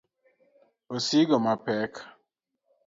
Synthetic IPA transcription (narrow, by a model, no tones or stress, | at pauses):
osiɡɔmapɛk